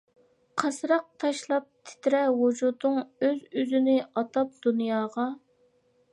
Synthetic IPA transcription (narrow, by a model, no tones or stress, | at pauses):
qʰɑsɾɑq̚t̪ʰɑʃlˠɑp̚t̪ʰɪ̥t̪ɾɛwud͡ʒud̪ʊŋøzyzɪnɪɑt̪ʰɑp̚d̪̥unjɑːʁɑ